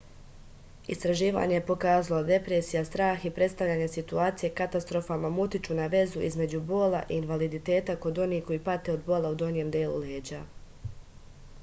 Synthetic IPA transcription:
ist̪ɾaʒiːʋa̰ːɲe̞jepo̞kaːzalˠod̪e̞pɾe̞ːsijast̪ɾaːxipɾe̞t̪st̪aʋʎaːɲesit̪uaːt̪sije̞kat̪ast̪ɾo̞famamut̪it͡ʃunaʋe̞zuʔizme̞d͡ʑubo̞ːlˠa̰ʔiːnʋalid̪it̪e̞ːt̪ako̞d̪o̞niːko̞jipat̪eo̞d̪bo̞ːlˠaud̪o̞nije̞md̪eːlṵleːd͡ʑa

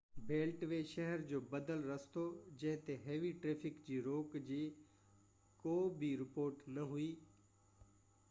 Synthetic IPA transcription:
beːlʈʋeːʃəɦɛɾd͡ʑoːbɐd̪əlɾɐst̪od͡ʑɐ̃ɦɪ̃t̪eɦeːʋiʈɾeːfʰɪkd͡ʑiːɾoːkd͡ʑiː | koːbʱiɾɪpoːɾʈnɐɦʊiː

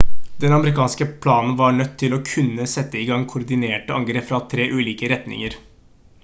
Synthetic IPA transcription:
d̪ɛnɑməɾɪkʰɑːnskəpʰlɑːnn̩ʋɑɳœt̪ʰːɪlɔkʰʉnːəsɛt̪ːəɪɡɑŋːkʰʊɾd̪ɪneːʈəɑŋɡɾeːpfɾɑt̪ʰɾeːʔʉːliːkəɾɛt̪nɪ̰ŋəɾ

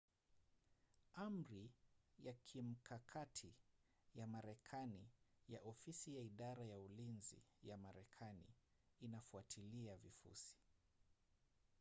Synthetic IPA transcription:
am̩ɾijakʰim̩kʰakʰatʰi | jamaɾɛkʰanijaʔɔfisijaiɗaɾajaulinzḭjamaɾɛkʰanḭː | nafuatʰiliavifṵsi̥

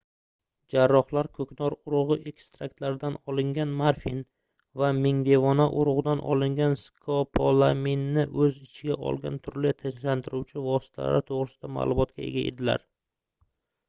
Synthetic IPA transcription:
d͡ʒaɾːɒχlˠaɾkʰɵkʲʰnɒɾʊɾʊʁɨʔekst̪ɾak̚t̪laɾd̪anɒlɪŋɡʲanmaɾfin | vamɪŋd̪e̞vɒnaʔʊɾʊʁd̪anʔɒ̰lˠɪŋɡʲanskʰopʰolˠaminːɪʔɵzɪt͡ʃʰɪɡʲaʔɒ̰lˠɡʲa̰nt̪ʰʊɾlɪt̪ʰɪnʃlant̪ʰɪɾuwt͡ʃʰɪvɒsɪ̥t̪ʰala̰ɾɪt̪ʰoʁɾɪsɪ̥d̪ama̰ːlˠʊmɒt̪̚kʲae̞̰ɡʲae̞̰d̪ɪla̰ɾ

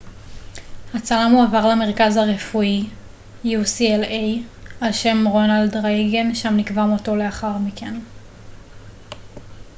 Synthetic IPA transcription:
hat͡salamuavaʁleame̞ʁ̞kazhaʁe̞fui | jusielejalʃe̞mʁo̞naldʁajɡenʃamnikvamo̞to̞le̞aχaʁmikʰen

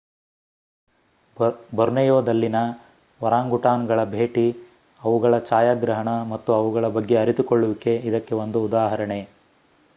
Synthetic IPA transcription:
bɔɾnɐjoːd̪ɐlːinɐ | ʋɐɾaːŋɡuʈaːnɡɐɭɐbʱeːʈi | ɐʋuɡɐɭɐt͡ʃaːjaːɡɾɐɦɐɳɐmɐt̪ːuɐʋuɡɐɭɐbɐɡːe̞ɐɾit̪ukoɭːuʋike̞id̪ɐkːe̞o̞nd̪uːd̪aːɦɐɾɐɳe̞

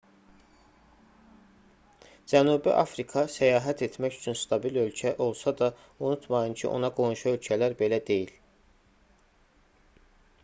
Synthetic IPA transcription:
d͡ʒænuːbiʔɑfɾikʰɑsæjɑːɦæt̪ʰe̞t̪ʰmæcy̥t͡ʃʰynst̪ʰɑbilø̞lcʰæʔo̞lˠsɑd̪ɑ | unut̪ʰmɑjɯncʰiʔo̞̰nɑɡo̞nuʃuø̞lcʰælæɾbe̞læd̪e̞jil

